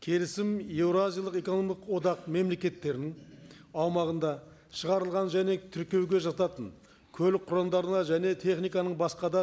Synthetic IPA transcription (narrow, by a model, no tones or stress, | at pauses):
kʲʰe̞lɪsɪmevɾoazʲijalˠəqe̞konomiəqwo̞d̪ɑqme̞mlekʲe̞t̪ːe̞ɾɪnɪŋɑwmɑʁənd̪ɑ | ʃəʁɑɾəlˠʁɑnʒæne̞t̪ʰʏɾkʲe̞wɡʲe̞ʒɑt̪ɑt̪ən | kʲʰɵlɪk̚qʰːʊɾɑnd̪ɑɾənɑʒæne̞t̪ʰe̞χnijkɑnəɴbɑsqɑd̪ɑ